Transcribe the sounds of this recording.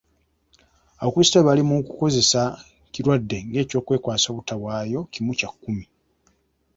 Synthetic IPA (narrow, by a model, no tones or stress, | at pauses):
aβakuistaβalimukuko̞ze̞sa | ciɾwadːe̞ŋɡe̞ːco̞ːkwe̞ːkwaːso̞ːβutaβwaːjo̞cimucakːumi